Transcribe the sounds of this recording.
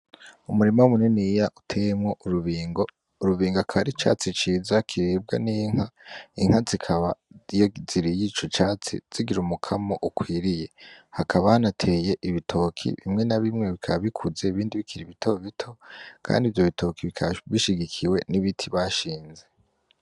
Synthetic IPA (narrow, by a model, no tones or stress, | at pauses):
umuɾimawumuninijaʔutʰejemŋo̞ʔuɾuβiːŋo | uɾuβiːŋɡakʰaβaɾit͡ʃa̰ːt͡sit͡ʃiːzakʰiɾib̚ɡa̰niŋ̥aiŋ̥hazikʰaβajoziɾijit͡ʃo̞t͡ʃaːt͡sḭz̥iɡiɾumukʰamoʔukwiːɾije̞hakʰaβahanatʰe̞ːje̞ʔiβitʰo̞kʰḭβḭmŋe̞naβimŋe̞βikʰaβaβikʰuze̞iβiːndiβikʰiɾiβitʰoβitʰo̞kʰa̰ːndivjo̞βitʰo̞kʰiβikʰaβiʃiɡikʰiwe̞niβitʰiβaʃiːnze̞